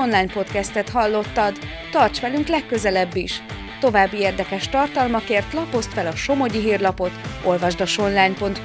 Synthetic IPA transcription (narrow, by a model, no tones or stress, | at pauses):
onlaːjɲpo̞t̪kɛst̪ɛt̪ɦɒlːo̞t̪ːɒd̪ː | ɒrt͡ʃʋɛlyŋklɛkːø̞zɛlɛbːiʃ | t̪o̞vaːbːieːrd̪ɛkɛʃt̪ɒrt̪ɒlmɒkeːrt̪lɒpo̞st̪fɛlɒʃo̞mo̞ɟiɦiːrlɒpo̞t̪o̞lvɒʒd̪ɒʃo̞nlaːɲpo̞nt̪